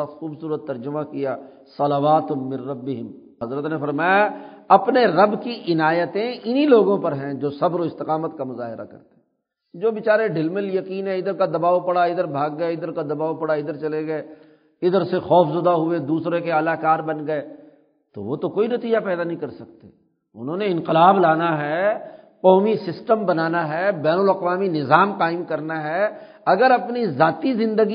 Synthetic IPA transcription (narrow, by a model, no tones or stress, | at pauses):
axuːbsuːɾət̪ːɐɾd͡ʒʊmakijaː | sɐlaʋaːt̪mɪ̃nɾɐbːɪɦɪm | ɦɐzɾət̪nefɐɾmaːjaɐpneɾɐbkiʔɪnaːjət̪ẽɪniloːɡõpɐɾɦɛ̃d͡ʒoːsɐbɾoɪst̪ɪqaːmət̪kamʊza̰ːɦɪɾʔa̰kɐ̰ɾt̪e̥ | d͡ʒoːbɪt͡ʃaːɾeɖɪlmɪljɐkiːnɦɛ̃ɪd̪əɾkad̪ɐbaːopɐɽaɪd̪əɾbʱaːɡ̚ːɐeɪd̪əɾkad̪ɐbaːopɐɽaɪd̪əɾt͡ʃɐleɡɐeː | ɪd̪əɾsexɔːfzʊd̪aɦʊed̪uːsɾekeɐlaːkaːɾbɐnɡɐe | t̪o̰ʋo̰t̪okoːinɐt̪iːd͡ʒapɛːd̪anɐɦĩkɐɾsɐk̚t̪ḛ | ʊ̰nɦõːneɪ̃nqɪlaːblaːnaɦɛː | qɔːmisɪsʈəmbɐnaːnaɦɛbɛːnəlɐqʋaːminɪzaːmqaːɪmkɐɾnaɦɛ | ɐɡəɾɐpnizaːt̪izɪ̃nd̪əɡi